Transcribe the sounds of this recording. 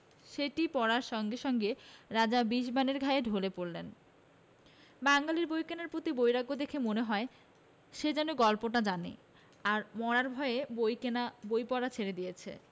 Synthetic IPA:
ʃeʈipɔɽaɾʃɔŋɡeʃɔŋɡeɾad͡ʑabiʃ̬baneɾɡʱaeɖʱolepoɾlen | baŋɡaliɾbojkenaɾpɾot̪ibojɾaɡːod̪ekʰemoneɦɔe | ʃed͡ʑɛnoɡɔlpoʈad͡ʑanḭ | aɾmɔɾaɾbʱɔeebojkenabojpɔɽat͡ɕʰeɾed̪ijet͡ɕʰḛ

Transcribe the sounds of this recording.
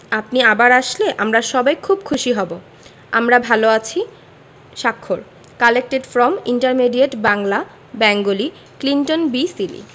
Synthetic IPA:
ap̚niabaɾaʃleʔamɾaʃɔbajkʰub̚kʰuʃiɦɔbo | a̰mɾabʱaloat͡ɕʰi | ʃakʰːol | kalek̚ʈeɖfɾɔmiɳʈaɾmeɖieʈbaŋla | bɛŋɡoli | klinʈonbisilḭ

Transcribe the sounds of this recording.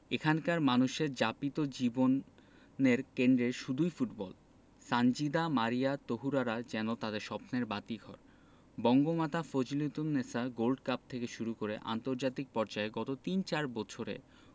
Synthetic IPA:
ekʰankaɾmanuʃeɾd͡ʑapit̪od͡ʑibonː | eɾkend̪ɾeɾʃud̪ʱujfuʈbɔl | sand͡ʑid̪amaɾiat̪oɦuɾaɾad͡ʑɛnot̪ad̪eɾʃɔpneɾbat̪iɡʱɔ̰ɾ | bɔŋɡomat̪ʰafod͡ʑilit̪unːesaɡolɖkap̚t̪ʰekeʃuɾukoɾeʔa̰nt̪oɾd͡ʑat̪ik̚pɔɾd͡ʑaeɡɔt̪ot̪int͡ɕaɾbɔt͡ɕʰoɾḛ

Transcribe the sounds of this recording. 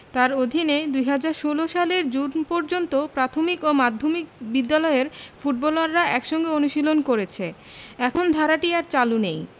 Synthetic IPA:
t̪aɾod̪ʱined̪ujɦad͡ʑaɾʃoloʃaleɾd͡ʑunpɔɾd͡ʑont̪opɾat̪ʰomikomad̪ʱːomikbid̪ːalɔeɾfuʈ̚bɔlaɾːaʔɛkʃɔŋɡeonuʃilonkoɾet͡ɕʰe | ɛkʰond̪ʱaɾaʈiaɾt͡ɕalunej

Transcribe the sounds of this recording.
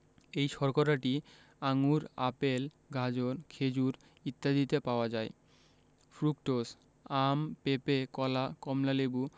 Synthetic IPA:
ejʃɔɾkoɾaʈi | aŋuɾapel | ɡʱad͡ʑonkʰed͡ʑuɾ | it̪ːad̪it̪epaoad͡ʑae | fɾuk̚ʈos | ampepekɔlakɔmlalebu

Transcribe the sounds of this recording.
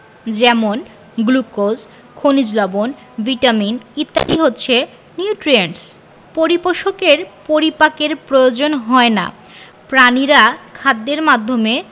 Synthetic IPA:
d͡ʑɛmon | ɡlukod͡ʑ | kʰonid͡ʑlɔbon | bʱiʈaminit̪ːa̰liɦotːɕʰe | niuʈɾieɳʈs | poɾipoʃokeɾpoɾipakeɾpɾojod͡ʑonɦɔena̰ | pɾaniɾakʰad̪ːeɾmad̪ʱːome

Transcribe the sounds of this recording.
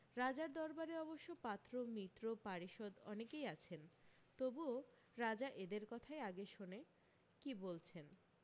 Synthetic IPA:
ɾad͡ʑaɾd̪ɔɾbaɾeɔboʃːopat̪ːɾomit̪ːɾopaɾiʃod̪ɔ̰nekejat͡ɕʰen | t̪obuo | ɾad͡ʑaʔed̪eɾkɔt̪ʰaeaɡeʃone | kibolt͡ɕʰen

